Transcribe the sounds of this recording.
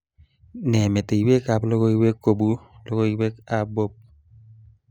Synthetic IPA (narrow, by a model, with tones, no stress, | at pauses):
nɛ˨me˨te˨i˨we˦ka˦plo˦ɡo˦i˦we˦kːo˨bu˦lo˦ɡo˦i˦we˦ka˨bo˦p̚